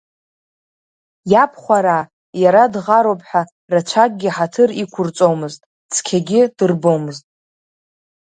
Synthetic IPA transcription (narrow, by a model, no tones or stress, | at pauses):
japʰχʷaɾa | jaɾadʁaɾowpʼħᶣa | rat͡ʃʷʰak̚ʼɡʲɪħatʰɨrikʷʰʊrt͡sʼomɨztʼ | t͡sʰkʲʰaɡʲɪd̥ɨrbomɨztʼ